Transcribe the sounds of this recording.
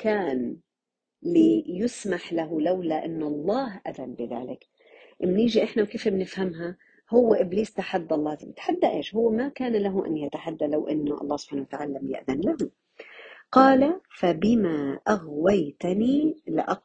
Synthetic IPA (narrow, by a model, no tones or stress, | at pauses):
kaːn | lijʊsmaħlaɦʊlawlaʔɪnːʊʔɑlˤːɑːɦʔa̰ðanbɪða̰ːlɪk | ʔɪmniːʒiʔɪħnawkeːfbnɪfhamɦa | hʊwːʔɪbliːst̪aħad̪ːʔɑlˤːɑːzbɪt̪ħad̪ːaʔeːʃhʊwːmakaːnlaɦuʔa̰nːjat̪aħad̪ːalawʔɪnːʊʔɑ̰lˤːɑːhsʊb̥ħaːnawat̪aʕaːlalamjɪ̰ʔðanlahu | qɑːlafabɪmaʔaɣwajt̪anilɪ̰ʔɑ